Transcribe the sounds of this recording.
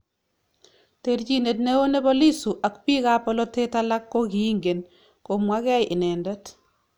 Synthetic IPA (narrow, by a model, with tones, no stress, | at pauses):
tert͡ʃi˦ne˨tne˦wo˦ne˦bɔ˦li˦su˨ʔa˨kpi˦ka˦pɔ˦lɔ˦te˦ta˦la˦kːo˦ki˨i˦ŋɡe˨n | ko˨mwa˦kɛ˦jʔɪ˨nɛ˨ndɛ˦t